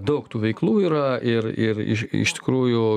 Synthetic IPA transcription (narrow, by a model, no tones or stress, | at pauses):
d̪ɐʊkt̪uːʋʲɛɪklˠuːiːɾɐʔɪɾɪɾɪ̰ɪ̰ʃt̪ʲɪ̥kɾuːjʊ